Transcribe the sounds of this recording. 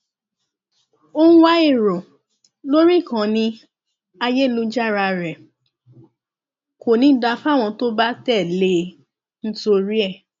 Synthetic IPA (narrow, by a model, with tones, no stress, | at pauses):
õ˦wa˦i˦˨ɾo˨ | lo˦ɾi˦˨kã˨˦nĩ˧ | a˧je˦˨lu˧˦d͡ʒa˦˨ɾa˧ɾɛ˨ | ko˨nĩ˧˦da˧fa˦˨w̃ɔ̃˧to˦ba˦tɛ˦˨le˦ | n̩˦to˧ɾi˦ɛ˦˨